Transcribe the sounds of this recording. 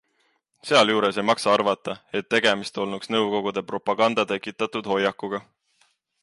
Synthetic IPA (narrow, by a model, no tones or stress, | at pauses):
seɑljuːɾe̞sejmɑksɑɑrvɑt̪ːˑɑe̞t̪ːe̞ɡ̥e̞mist̪o̞lnuksnɤwko̞ɡ̥ud̪̥e̞pro̞pːˑɑɡ̥ɑnd̪̥ɑt̪e̞kːˑit̪ːˑɑt̪ud̪̥ho̞jɑkːuɡ̥ɑ